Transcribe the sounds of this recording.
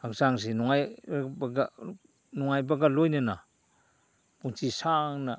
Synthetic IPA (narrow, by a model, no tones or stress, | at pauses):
ak̚saŋs̬inɔŋajbɡa | nɔŋajbaɡalojnana | puŋt͡ʃisaŋna